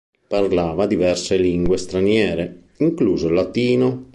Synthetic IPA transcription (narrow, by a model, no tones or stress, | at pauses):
parlaːvad̪ivɛrseliŋɡwest̪ɾanjɛːɾe | iŋkluːzolat̪iːno